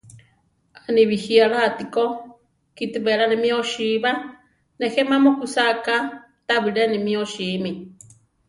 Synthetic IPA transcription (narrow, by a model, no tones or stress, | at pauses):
anĩβihiaɺaːt̪iko | kit̪ibɛɺanĩmĩoʃiβa | nehɛmãmokusaka | t̪aβiɾɛnĩmĩoʃiːmĩ